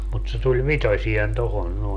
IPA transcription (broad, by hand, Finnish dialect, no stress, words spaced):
mut se tulʲ ʋitosien tohon noˑe